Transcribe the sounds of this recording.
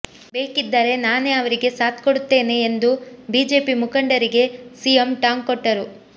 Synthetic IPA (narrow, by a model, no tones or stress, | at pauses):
be̞ːkid̪ːɐɾe̞naːneɐʋɐɾiɡe̞saːt̪koɽut̪ːe̞ːne̞ːnd̪ubiːd͡ʒe̞ːpimukɐɳɖɐɾiɡe̞siːemʈaːŋkɔʈːɐɾu